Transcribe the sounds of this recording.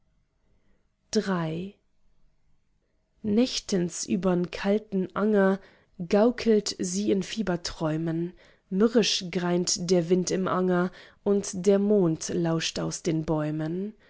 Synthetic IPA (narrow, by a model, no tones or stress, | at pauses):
d̥ʁaɪ | nɛçtənsʔy̰ːbɐnkʰaltn̩ʔaŋɐ | ɡaʊkʰl̩tziːɪnfiːbɐtʁ̥ɔʏmən | mʏʁɪʃɡ̥ʁaɪntd̥eːɐvɪntɪmʔaŋɐʔʊntd̥eːɐmoːntlaʊʃtaʊsd̥eːnbɔʏmən